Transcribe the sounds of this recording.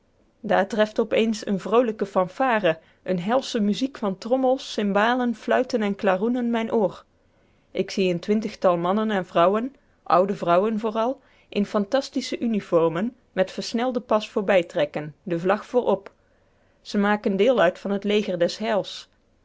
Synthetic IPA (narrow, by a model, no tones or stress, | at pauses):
daːɹtrɛftɔpejnsə̰nvrowləkəfɑmfaːrə | ʔənɦɛlˠsəmyzikfɑntrɔməlˠsɪmbaːlənflœɥtənɛnklaːrunənmɛjnʔoːr | ʔɪksiəntʋɪntəxtɑlˠmɑnənɛnvrʌwən | ʔʌ̰wdəvrʌwənvʊːrɑlˠ | ʔɪnfɑntɑstisəʔynifɔɹmən | mɛtfəɹsnɛlˠdəpɑsfʊːɹbɛjtrɛkəndəvlɑxfʊːɹʔɔp | z̥əmaːkəndɪːlˠœɥtfɑnətlejɣəɹdɛsɦɛlˠs